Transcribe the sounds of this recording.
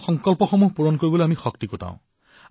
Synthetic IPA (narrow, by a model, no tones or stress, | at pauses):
xɔŋkɔlpɔxɔmuɦpuɹɔnkoɹibɔleamixɔk̚t̪ikotã̰w̃